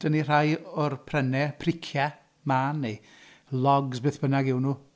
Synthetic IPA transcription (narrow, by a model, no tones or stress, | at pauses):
d̥ənir̥ajɔrpʰrɛnɛpʰrɪkʰja | manːe | lˠɔɡzbeːθb̥ənaɡɪwnuː